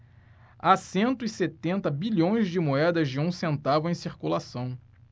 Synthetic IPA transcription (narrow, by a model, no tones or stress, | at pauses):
asẽnt̪ʊɪset̪ẽnt̪ɐbiʎõj̃zd͡ʒɪmoɛd̪ɐzd͡ʒɪũsẽnt̪avʊẽj̃siɾkulasɐ̃w̃